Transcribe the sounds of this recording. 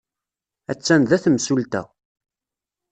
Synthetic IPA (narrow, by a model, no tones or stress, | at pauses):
æt͡sːænðæθəmsult̪æ̰